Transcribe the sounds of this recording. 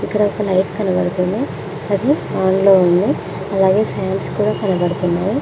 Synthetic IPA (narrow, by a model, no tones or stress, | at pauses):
ikːɐɽɐɔkɐlɐjʈkɐnɐbɐɽut̪und̪i | ɐd̪iaːnlo̞ːund̪i | ɐlaːɡe̞ːpʰaːnskuːɽaːkɐnɐbɐɽut̪unːaːji